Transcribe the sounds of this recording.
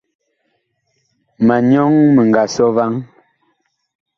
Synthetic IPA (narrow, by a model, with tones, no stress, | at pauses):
ma˨ɲɔ˦ŋmə˨ŋ˨ɡa˨sɔ˦va˦ŋ